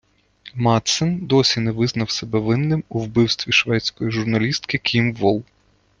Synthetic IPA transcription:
mɑt̪sɛnd̪ɔsʲinɛʋɪznɐwsɛbɛʋɪnːɪmuwbɪwst̪ʋʲiʃʋɛtt͡sʲkɔjiʒʊrnɐlʲist̪kɪkʲʰimʋɔlˠ

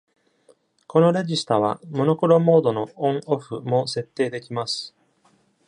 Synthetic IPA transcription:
ko̞no̞ɾe̞ʑisɨ̥t̪aβ̞a̰mo̞no̞ko̞ɾo̞mo̞ːd̪o̞no̞õɴo̞ɸɯ̟mo̞se̞t̪ːe̞ːd̪e̞kʲimasɨ̥

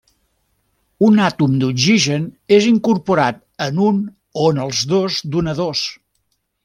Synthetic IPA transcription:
unat̪umd̪uziʒəneziŋkuɾpuɾat̪̚ | ənun | oənəlˠzðozd̪unəðos

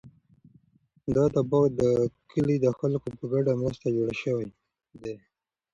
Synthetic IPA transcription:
d̪ɑd̪abɑɣd̪əkʰəlid̪əxalkopəɡaɖamɾast̪ad͡ʒoɽaʃəwaj | d̪e

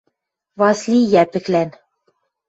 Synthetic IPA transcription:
vɑslʲijæpɘ̆klæn

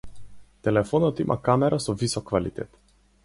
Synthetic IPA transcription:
t̪ɛlɛfɔnɔt̪imʔa̰kamɛɾasɔvisɔkːvalḭt̪ɛ̰t̪

